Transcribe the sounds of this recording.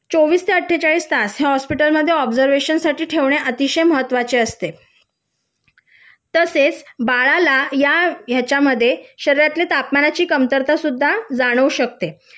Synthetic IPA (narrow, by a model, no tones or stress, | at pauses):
t͡soʋiːst̪ʰeəʈʰːet͡ɕaɭiːst̪asɦeɦɔspiʈəlməd̪ʱːjeɔbd͡zəɾʋeɕənsaʈiːʈʰeʋɳ̃eʔət̪iɕəjməɦət̪ːʋat͡ɕeəst̪e | t̪əset͡sbaɭalajajat͡ɕaməd̪ʱːjeɕəɾeɾjat̪let̪apmanat͡ɕiːkəmt̪əɾt̪asud̪ʱːad͡zaɽ̃əuɕək̚t̪e